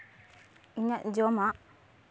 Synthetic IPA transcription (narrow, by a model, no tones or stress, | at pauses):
iɲaʔd͡ʒɔmaʔ